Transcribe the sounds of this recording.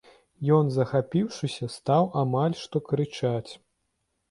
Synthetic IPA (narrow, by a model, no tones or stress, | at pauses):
jɔnzɐxapʲiwʂɨsʲɐst̪awʔamalʲʂt̪ɔkɾɨt͡ʂat͡sʲ